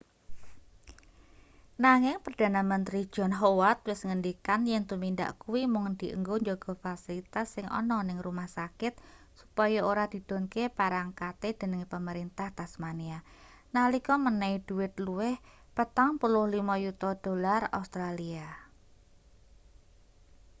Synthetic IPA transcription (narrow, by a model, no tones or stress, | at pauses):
naŋɪŋpərd̥anamənt̪ɾi̥d͡ʒ̥ɔnɦowat̪̚wɪsŋəndikanjɛŋt̪uminda̰ʔkuwimʊŋd̪̥iʔə̰ŋɡoɲd͡ʒoɡ̥ɔfasilit̪asːɪŋʔɔ̰nɔnɪŋrumahsakɪt̪̚ | supɔjaoɾad̪̥i̤d̪̥onkepaɾaŋkat̪ed̪̥ə̤nəŋpəməɾint̪aht̪asmania | nalikɔmənaid̥uwɪt̪̚luwɪh | pət̪aŋpulʊhlimajut̪ɔd̥olara̰ust̪ɾalia